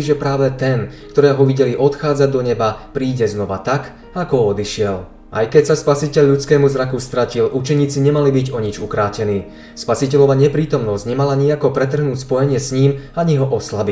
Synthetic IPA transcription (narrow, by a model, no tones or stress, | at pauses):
iʒɛpɾaːʋɛt̪ɛnkt̪ɔɾɛːɦɔʋiɟɛliʔɔt̪xaːd͡zad̪ɔɲɛbapɾiːɟɛznɔʋat̪ak | akɔɔd̪iʃɪɛl | ʔa̰jkɛcsaspasicɛʎːut͡skɛːmuzɾakust̪ɾacilʔut͡ʃɛɲiːt͡siɲɛmalibiɟɔɲid͡ʒukɾaːcɛniː | spasicɛʎɔʋaɲɛpɾiːt̪ɔmnɔzɟɲɛmalaɲiakɔpɾɛt̪r̩ɦnuːcspɔjɛɲɪɛsɲiːmaɲiɦɔʔɔslabi